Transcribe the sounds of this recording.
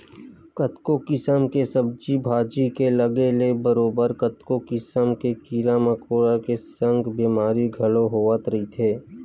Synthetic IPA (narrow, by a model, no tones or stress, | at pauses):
kət̪kokɪsəmkesəb̚d͡ʒibʱaːd͡ʒikelɐɡelebəɾoːbəɾkət̪kokɪsəmkekiːɾaməkoːɽakesə̃ŋɡbiːmaːɾiɡʱɐloɦoːʋət̪ɾəɦit̪ʰeː